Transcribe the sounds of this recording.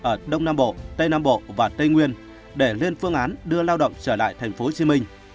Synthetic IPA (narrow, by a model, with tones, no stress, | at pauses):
ʔəː˧˩ɗə˧wŋ͡mnaː˧mɓo̰˧˨t̪ə˧jnaː˧mɓo̰˧˨vaː˨˩t̪ə˧jŋwi˧ən | ɗe˧˩le˧nfɨ˧əŋʔaː˨˦nɗɨ˧əlaː˧wɗə̰˧˨wŋ͡mt͡ɕəː˧˩la̰ː˧˨jt̪ʰɛ˨˩jŋ̟fo˨˦t͡ɕi˨˦mï˧ŋ̟